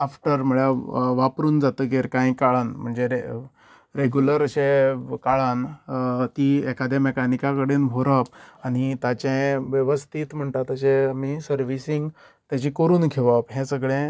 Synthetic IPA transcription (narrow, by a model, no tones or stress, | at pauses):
afʈəɾm̤uɭjaʋapɾuːnd͡zat̪əɡeɾkãjkaɭanm̤əɳd͡zee | ɾeɡjuləɾəɕẽkaɭãnt̪iɛkad̪emekanikakəɽeːnbʱoɾəpaɽ̃it̪at͡ɕẽʋjəʋəst̪ʰiːt̪m̤əɳt̪at̪əɕẽamisəɾʋisiŋɡ | t̪jat͡ɕikəɾuːnkʰeʋəpɦẽsəɡɭẽ